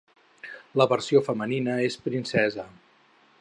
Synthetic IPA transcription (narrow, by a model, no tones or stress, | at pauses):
ləβəɾsiofəməninəespɾinsɛzə